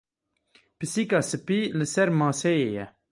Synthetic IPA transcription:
pɨsikasəpiləsɛɾmɑ̃ːsejejɛ

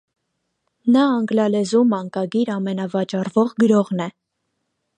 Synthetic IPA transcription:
nɑɑŋɡlɑlɛzumɑŋkɑɡiɾɑmɛnɑvɑt͡ʃɑrvɔʁɡəɾɔʁnɛ

